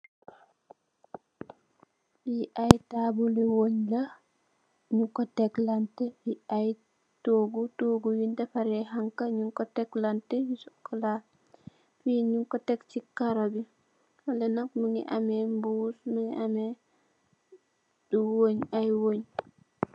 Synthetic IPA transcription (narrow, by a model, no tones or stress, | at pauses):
iʔajtabuliwoɲlɐ | ɲuŋkɔtɛklantɛjiaj | toɡutoɡuwindɐfaɾɛɦaŋkaɲuŋkɔtɛklantɛjisukɔla | fiɲuŋkɔtɛkt͡ʃikaɾobi | walɛnak̚miŋḭʔamɛmbusmiŋiʔamɛ | duwoɲajwoɲ